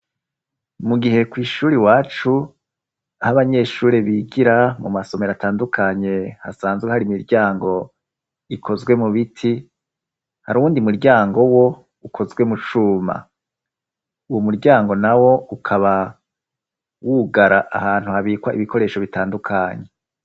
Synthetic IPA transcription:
muɡihe̞kwiːʃuːɾiwaːt͡ʃu | ahaβaɲe̞ːʃuːɾe̞βiɡiɾamumaso̞me̞ɾataːndukʰaɲe̞hasaːnzɡwehaɾimiɾɟaːŋɡo̞ | ikʰo̞zɡwe̞muβitʰi | haɾuuːndimuɾɟaːŋɡo̞wo̞ | ukʰo̞zɡwe̞mut͡ʃuma̰ | uwomuɾɟaːŋɡo̞nawo̞ukʰaβa | wuːɡaɾaʔa̰haːn̥uhaβiːkwaʔḭβikʰo̞ɾe̞ːʃo̞βitaːndukʰaɲe̞

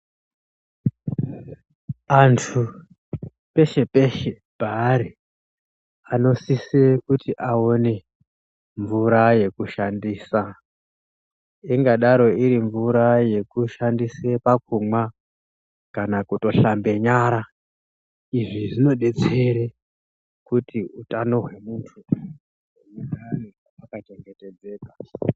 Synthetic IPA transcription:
antʰu | pe̞ʃe̞peʃe | paːɾi | ano̞sisekutiʔaone̞ | ɱvuɾaje̞kuʃandiːsa | iŋɡaɗaɾo̞iɾiɱvuɾaje̞kuʃandisepak̚umwa | kanakuto̞ɬambe̞ɲaːɾa | iʐiʐino̞ɗe̞t͡seɾe | kutʰiutano̞ɦwe̞muːntʰu | oɲaɾaniaakat͡ʃe̞ŋɡe̞te̞d͡ze̞ːka

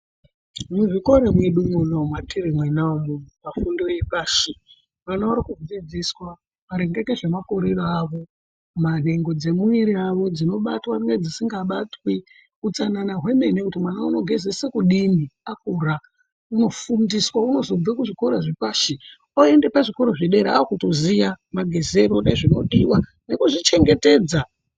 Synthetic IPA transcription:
muʐiko̞ɾemweɗumulomwatʰiɾimwenaomuumafundo̞jepaːʃi | manaaɾikud͡zid͡ziswa | ʋaɾeŋɡekeʐemakoɾeroaːʋo̞ | mane̞ŋɡo̞d͡ze̞muiɾiaʋo̞d͡zino̞ɓatwanŋɡed͡zisiŋɡaɓatwi | ut͡sananaɦwe̞me̞nekutimwanauno̞ɡʱe̞zesekuɗimiakuːra | uno̞fundiswauno̞zob͡vakuʐiko̞ɾoʐikaːʃi | oendepaʐiko̞ɾo̞ʐiɗe̞ɾea̰okutozijamaɡʱe̞zeɾoneʐino̞̰ɗiwa | ne̞kuʐit͡ʃe̞ŋɡe̞te̞ːd͡za

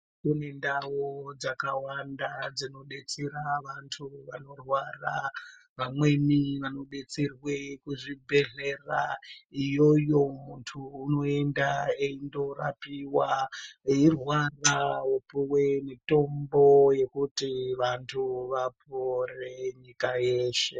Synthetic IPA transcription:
tinendawod͡zakawandad͡zino̞ɗe̞t͡seɾaʋantʰuʋano̞rwara | ʋamwe̞miʋano̞ɗe̞t͡serwekuʐibʱe̞ɮeraijo̞jo̞muntʰuːno̞e̞ndaeindo̞ra̰piwaeirwarawepuwemito̞mbo̞je̞kutiʋantʰuʋapore̞ɲikajeːʃe̞

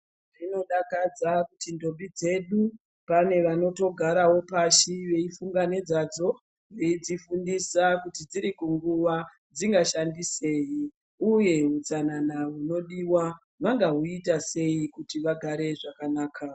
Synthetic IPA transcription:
rino̞ɗakad͡zakutindo̞mbid͡ze̞ɗu | pane̞ʋano̞to̞ɡʱaɾawo̞paʃiʋe̞ifuŋɡaned͡zad͡zo̞ | ʋed͡zifundisakutid͡ziɾikuŋɡuʋa | d͡ziŋɡaʃandise̞ːji | uje̞ɦut͡sananaɦuno̞ɗiwa | ʋaŋɡaɦuitase̞ikutiʋaɡʱaɾe̞ʐakanaːkʰa

